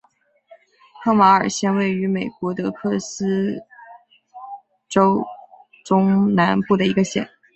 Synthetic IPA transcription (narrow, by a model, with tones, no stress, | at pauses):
ɤ˥˩ma˧˥ə˞˨˩ɕjɛ˥nwe˥˩ɪy˧˥me˨˩ɪkwɔ˧˥t̪ɤ˧˥kʰɤ˥˩sɹ̩˥ | ʈ͡ʂo˥ʊ | ʈ͡ʂʊ˥ŋna˧˥npu˥˩d̪ə˩i˧˥ɡə˧ɕjɛ̰˨˩˦n